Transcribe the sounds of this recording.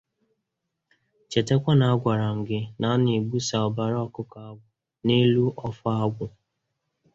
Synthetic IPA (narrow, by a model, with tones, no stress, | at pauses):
t͡ʃe˨te˦kʷa˦na˨a˦ɡʷa˨ɾa˨ŋ̩˨ɡɪ˦na˨˦nɪ˨ɡ͡bu˦sa˨ɔ˨ba˨ɾɔ˦kʊ˦ka˨a˦ɡʷʊ˨ | ne˦lu˦ʔɔ˦fʊ˦a˦ɡʷʊ˨